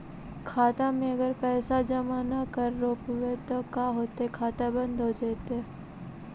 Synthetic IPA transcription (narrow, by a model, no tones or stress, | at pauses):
kʰaːt̪amẽɐɡəɾpɛːsad͡ʒɐmaːnakɐɾːoːpʋet̪okaːɦoːt̪eɦɛkʰaːt̪ebə̃nd̪ʱɦod͡ʒeːt̪eɦɛ